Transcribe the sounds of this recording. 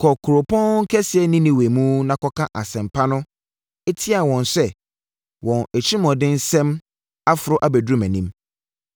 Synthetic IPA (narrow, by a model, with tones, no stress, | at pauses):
kʰɔ˨kʰʊ˨ɾo˨pʰɔ̃˦ŋ̩˦kʰɛ˦sɪ˨ɛ˦nĩ˦nĩ˨we˨mũ˦nã˨kɔ˦kʰã˦ʔa˨sɛ̃˨mpʰa˦nʊ̃˦ | e˦tʰɪ˦a˨wɔ̃˨nsɛ˦˨ | wɔ̃˨næ˨t͡ɕʰi˦mɔ̃˨dɪ̃˦n̩˦sɛ̃˦m | a˦fʊ˨ɾʊ˦ʔa˨bæ˨du˦mæ̃˨nĩ˦m